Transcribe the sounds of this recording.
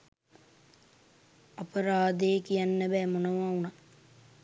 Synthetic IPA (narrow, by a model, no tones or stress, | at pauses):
ɐpəɾaːd̪ejkijanːəbɛːmonəʋauna